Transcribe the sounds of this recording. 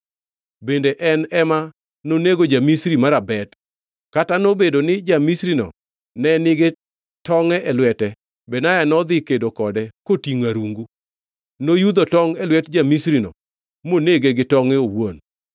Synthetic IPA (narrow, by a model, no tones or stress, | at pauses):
bendeʔɛnɛma | noneɡod͡ʒamisɾimaɾabɛt | katanobedonɪd͡ʒamisɾinɔ̰ | nɛnɪɡɛ | tɔŋɛʔɛlwɛtɛ | bɛnajanɔd̪ɪkedokɔdɛkotiŋaɾuŋɡu | nojud̪otɔŋɛlwɛtd͡ʒamisɾinɔ̰ | moneɡeɡɪtɔŋɛowon